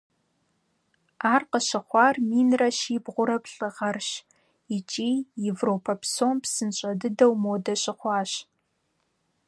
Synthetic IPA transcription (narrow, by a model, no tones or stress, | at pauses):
aːrqəɕɪχʷɑːrmiːnrɐʃiːbʁʷʊɾɐpɬʼɨʁɐrɕ | it͡ʃʼiːjevroːpʰɐpsompsɨnɕʼɐdɨdɐwmoːdɐɕɪχʷɑːɕ